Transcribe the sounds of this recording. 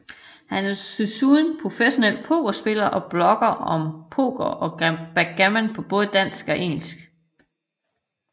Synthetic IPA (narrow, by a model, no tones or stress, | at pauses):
hænæsysunpʰʁo̝feɕo̝nel̰̚pʰo̝̰ɡ̥ɐsb̥e̝lɐʔɒ̽b̥lɒ̽ɡ̥ɐɒ̽mpʰo̝̰ːɡ̥ɐʔɒ̽b̥æɡ̥æmænpʰɒ̽b̥ɔ̽ːð̞̩ˠd̥æn̰sɡ̥ɒ̽ʔeŋ̰l̩sɡ̥